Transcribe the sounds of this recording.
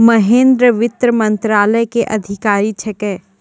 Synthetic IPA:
mɐɦẽːnd̪ɾəʋɪt̪ɾəmɐ̃nt̪ɾaːləjkeʔɐd̪ʱɪkaːɾit͡ʃʰɛkɛː

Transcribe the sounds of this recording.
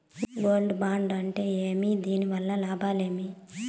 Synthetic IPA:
ɡoːlɖubaːɳɖɐɳʈe̞ːeːmid̪iːniʋɐlːɐlaːbaːle̞ːmi

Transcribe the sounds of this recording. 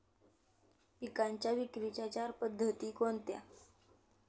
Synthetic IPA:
ikaɲt͡ɕjaʋikɾit͡ɕat͡ɕaɾpəd̪ʱːət̪iːkont̪ja̰

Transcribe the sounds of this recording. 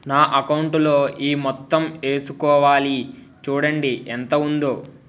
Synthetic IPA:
naːʔɐkɐwɳʈlo̞ːʔiːmɔt̪ːɐme̞ːsukɔːʋaːli | t͡ʃuːɽɐɳɖiʔɛnt̪ɐund̪oː

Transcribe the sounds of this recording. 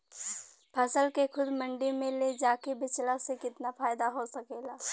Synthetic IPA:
pʰɐsəlkexʰʊd̪mɐ̃ɳɖimẽled͡ʒaːkebɪt͡ʃlasekɪt̪nafaːɪd̪aɦosɐkeːlaː

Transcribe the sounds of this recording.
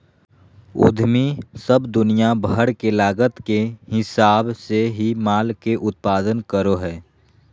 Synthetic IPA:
o̰ːd̪ʱmisəbd̪ʊnijabɦəɽkelaːɡət̪kehɪsaːbseɦimaːlkeʔʊt̪̚paːd̪ənkəɾoɦɛː

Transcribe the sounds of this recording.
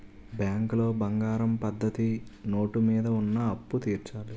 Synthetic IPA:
bjaːŋklo̞ːbɐŋɡaːɾɐmpɐd̪ʱːɐt̪ino̞ːʈumiːd̪ɐunːɐːpːut̪iːɾt͡ʃaːli

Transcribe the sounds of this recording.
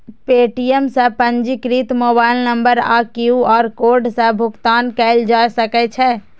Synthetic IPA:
peːʈiemsə̃pə̃nd͡ʒikɾit̪mobaɪilnəmbəɾa̰kjuɔːɾkoːɾɖsə̃bʱʊkt̪aːnkɛld͡ʒasəkɛt͡ʃʰɛ

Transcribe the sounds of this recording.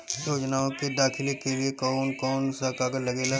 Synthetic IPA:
joːd͡ʒnaːõked̪aːkʰɪlekeliekɔːnkɔːnsakaːɡəɾlɐɡeːla

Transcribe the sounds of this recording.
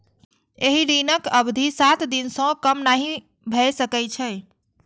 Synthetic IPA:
eɦiɾinəkəbd̪ʱisat̪d̪insə̃kəmnaɦi | bʱɛsəkɛt͡ʃʰɛ̃

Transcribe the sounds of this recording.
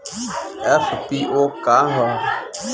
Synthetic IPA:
ɛfpiʔokaɦa

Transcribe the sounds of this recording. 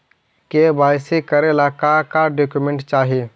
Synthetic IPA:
kebaːɪsekəɾeɪlaːkakaɖoːkjumẽɳʈt͡ʃaːɦieː

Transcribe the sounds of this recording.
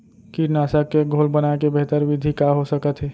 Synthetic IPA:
kinaːsakːeɡʱolbənakebeɦt̪əɾʋɪd̪ʱikaɦosəkət̪ɦɛː

